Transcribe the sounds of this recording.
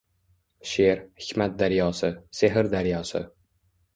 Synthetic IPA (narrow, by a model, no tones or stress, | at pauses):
ʃeɾhɪ̥kʰʲmat̪̚d̪aɾjɒsɪseɦɪɾd̪aɾjɒsɪ̰